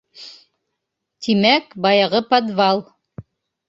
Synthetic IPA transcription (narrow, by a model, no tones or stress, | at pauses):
t̪imækbɑjɑʁɤpad̪vɑlˠ